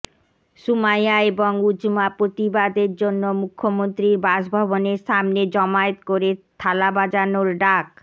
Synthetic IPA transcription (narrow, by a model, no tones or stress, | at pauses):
ʃumajaeboŋud͡ʑmapɾot̪ibad̪eɾd͡ʑonːomukʰːomont̪ɾiɾbaʃbʱɔboneɾʃamned͡ʑɔmaet̪koɾet̪ʰalabad͡ʑanoɾɖak̚